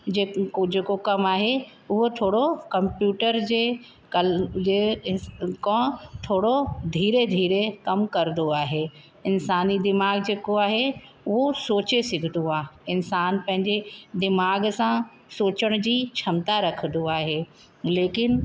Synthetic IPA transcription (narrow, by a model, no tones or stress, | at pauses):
d͡ʑeːd͡ʑeːkokɐmaːɦe | ʊɦot̪ʰoːɽokɐmpjuːʈəɾd͡ʑeː | kɐd͡ʑeː | kɔ̃t̪ʰoːɽod̪ʱiːɾed̪ʱiːɾekɐmkɐɾd̪oaːɦe | ɪnsaːnid̪ɪmaːɡd͡ʑeːkoaːɦe | ʊɦosoːt͡ɕesɪɡʱd̪oaːɦeɪnsaːnpɐ̃ɦɪ̃ɲd͡ʑed̪ɪmaːɡsã | soːt͡ɕəɽ̃d͡ʑiːt͡ɕʰɐmt̪aɾɐkʰə̃d̪oaːɦeː | leːkɪn